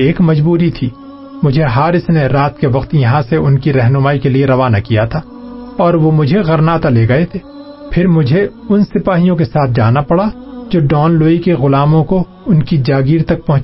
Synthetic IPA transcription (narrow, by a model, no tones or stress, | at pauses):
eːkmɐd͡ʒbuːɾit̪ʰiː | mʊd͡ʒʱeɦaːɾɪsneɾaːt̪keʋɐqt̪jɐɦãseʊnkiɾɛɦnʊmaːikelieɾɐʋaːna̰kijat̪ʰaː | ɔːɾʋomʊd͡ʒʱeɣɐɾnaːt̪aleːɡɐet̪ʰeː | pʰɪɾmʊd͡ʒʱe | ʊnsɪpaːɦijõkesaːt̪̚ʰd͡ʒa̰ːnapɐɽad͡ʒoːɖɔːnloːikeɣʊlaːmõko | ʊnkid͡ʒaːɡiːɾt̪ɐk̚pɐɦʊ̃